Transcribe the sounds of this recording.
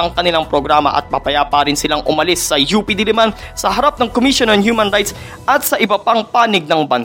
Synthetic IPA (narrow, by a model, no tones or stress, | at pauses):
ɐŋkɐnɪlaŋpɾoɡɾaːmɐ̰ʔɐ̰t̪̚mɐpɐjaːpaɾɪnsɪlaŋʔʊmɐlɪsːɐjuːpid̪ɪlɪmansɐɦɐɾap̚nɐŋkomiʃonɐnhjuːmɐ̃nɾajt̪s | ʔɐt̪sɐʔɪbɐpaŋpaːnɪɡ̚nɐŋbɐn